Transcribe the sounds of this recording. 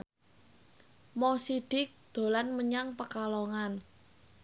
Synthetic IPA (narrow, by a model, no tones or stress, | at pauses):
mɔsiɖ̥ɪk̚d̪̥o̤lanməɲaŋpəkalɔŋan